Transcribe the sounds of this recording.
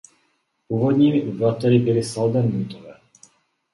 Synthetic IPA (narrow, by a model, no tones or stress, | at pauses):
uːvod̪ɲiːmɪʔublat̪ɛɾɪbɪlɪsald̪ɛmːut̪ovɛː